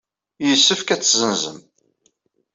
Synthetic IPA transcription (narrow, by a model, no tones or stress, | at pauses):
jəsːəfkæt͡sːzənzə̰m